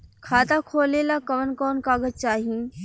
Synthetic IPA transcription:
kʰaːt̪akʰoːleːlakɐʋənkɔːnkaːɡəd͡ʒ̚t͡ʃaːɦiĩ

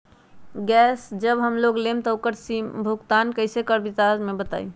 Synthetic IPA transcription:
ɡɛsd͡ʒəbɦəmloɡlemt̪əokəɾsimbʱuɡt̪ankəɪsekəɾbit̪azmebət̪a̰i

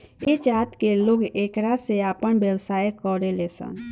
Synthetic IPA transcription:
ɪt͡ʃaːt̪keloːɡeːkɾaseaːpəɳbjəwsaːjkɔɾelesə̰n

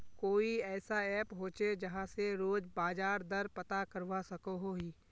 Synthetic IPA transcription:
koːiɛːsaɛːpɦoːt͡ʃed͡ʒɐɦãseɾoːd͡ʒbaːd͡ʒaːɾd̪ɐɾpɐt̪akəɾʋasɐkoɦoɦiː

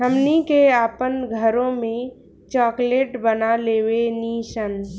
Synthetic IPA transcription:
əmnikeaːpənɡʱəɾõmẽ | t͡ʃɔːkleːʈbənaleːweniːʃən

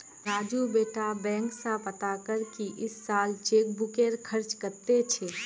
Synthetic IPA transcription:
ɾaːd͡ʒubeːʈabɛ̃ːŋksapɐt̪akəɾkiʔɪsːaːlt͡ʃeːk̚bʊkeːɾkʰəɾt͡ʃkəɾt̪et͡ʃʰɛː

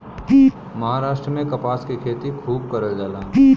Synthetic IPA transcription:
mɐɦaːɾaːʃʈɾəmẽkɐpaːskikʰeːt̪ikʰuːb̚kɐɾəld͡ʒaːlaː

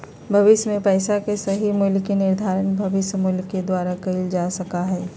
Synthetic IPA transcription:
bʱɐʋɪʃmẽpɛːsakesɐɦimʊlkenɪɾd̪ʱaːɾənbʱɐʋɪʃmʊlked̪waːɾakɐɪld͡ʒaːsɐkaɦɛː

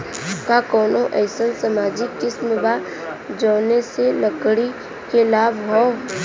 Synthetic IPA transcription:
kakɔːnõʔɛːsənsəmaːd͡ʒɪkːɪsmba | d͡ʒɔːneseləkɽi | kelaːbɦɔ

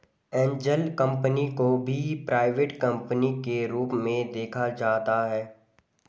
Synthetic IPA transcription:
ɛ̃ːɲd͡ʒəlkə̃mpənikobʱipɾaːɪʋeːʈkɐ̃mpənikeɾuːpmẽd̪eːkʰad͡ʒaːt̪aɦɛː

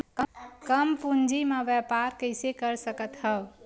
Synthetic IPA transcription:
kəkəmpund͡ʒimẽbɛpaɾkəɪsekəɾsəkət̪ɦəb

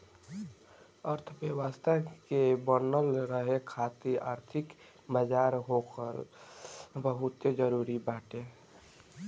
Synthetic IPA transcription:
əɾt̪ʰpeʋaːst̪akebənəlɾəɦekʰat̪iaːɾt̪ʰɪk | məd͡ʒaɾɦokəɾ | bəɦʊt̪ed͡ʒəɾuːɾibaːʈe

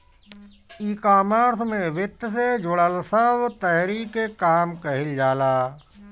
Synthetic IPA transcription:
iːkaːməɾsmẽʋɪt̪ːsed͡ʒʊɽəlsəbt̪əɦɾiːkekaːmkɐɦɪld͡ʒaːlaː

